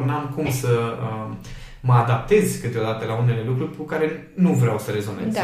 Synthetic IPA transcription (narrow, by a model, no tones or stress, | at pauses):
namkumsəə | məad̪ap̚t̪e̞zʲkɨt̪eo̞d̪at̪əlaune̞le̞lukɾurʲkukaɾe̞ | nuvɾeawsəɾe̞zo̞nez